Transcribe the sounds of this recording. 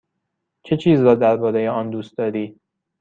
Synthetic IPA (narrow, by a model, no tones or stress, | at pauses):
t͡ʃʰe̞t͡ʃʰiːzɾɒːd̪æɾbɒːɾeje̞ɒːnd̪uːst̪̚d̪ɒːd̪iː